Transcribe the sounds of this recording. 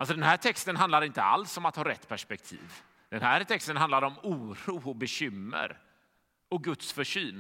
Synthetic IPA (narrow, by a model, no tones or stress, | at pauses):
alsɔd̪ɛnɦæːʈʰɛkst̪ənɦand̪laɾɪnt̪əa̰lsɔmat̪hɑːɾɛt̪ːpʰæʂpɛk̚t̪ʰḭːv | d̪̥ɛnɦæːɾt̪ʰɛkst̪ənɦand̪laɾɔmuːɾuːɔbɛɕʏmːə̰ɾ | ɔk̚ɡɵt̪sfœʂyːn